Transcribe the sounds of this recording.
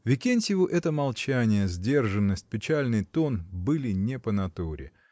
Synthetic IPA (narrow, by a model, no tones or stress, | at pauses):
vʲɪkʲenʲsʲɪvʊʔɛt̪əmɐlˠt͡ɕænʲɪjəzʲdʲe̞rʐɨnːəsʲt̚ʲpʲɪt͡ɕælʲnɨjt̪o̞nbɨlʲɪnʲɪpənɐt̪uɾʲɪ̰